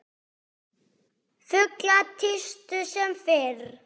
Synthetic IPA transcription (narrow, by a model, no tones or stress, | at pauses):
fʏklat̪ʰɪst̪ʏsɛmfɪɾ̥